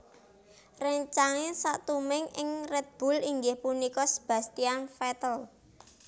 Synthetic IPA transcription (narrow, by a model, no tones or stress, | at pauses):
rəɲt͡ʃaŋesaʔt̪umɪŋɪŋrɛt̪̚b̥ṳliŋɡɪhpunikɔsə̥b̥ä̤st̪ianfɛt̪əl